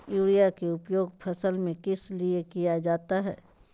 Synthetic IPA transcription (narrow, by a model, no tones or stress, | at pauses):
juːɽijakeʊpjoːɡ̚pʰɐsəlmẽkɪsliekijad͡ʒaːt̪aɦɛː